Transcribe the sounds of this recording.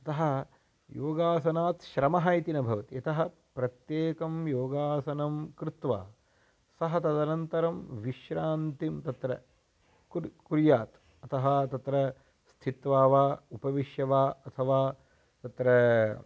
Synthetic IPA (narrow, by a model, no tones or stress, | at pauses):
ɐt̪ɐɦɐ | joːɡaːsɐnaːt̪ʃɾɐmɐɦɐjt̪inɐbʱɐʋɐt̪iɐt̪ɐɦɐ̆ | pɾɐt̪jeːkɐmjoːɡaːsɐnɐmkɾɪt̪ʋa̰ː | sɐɦɐt̪ɐd̪ɐnɐnt̪ɐɾɐmʋiʃɾaːnt̪imt̪ɐt̪ɾɐ̰ | kkuɾjaːt̪ | ɐt̪ɐɦɐt̪ɐt̪ɾɐ | st̪ʰit̪ʋaːʋaːupɐʋiʃjɐʋaːɐt̪ʰɐʋaː | t̪ɐt̪ɾɐ